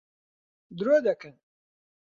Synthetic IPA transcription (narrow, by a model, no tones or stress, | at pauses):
d̪ɾuæd̪ækən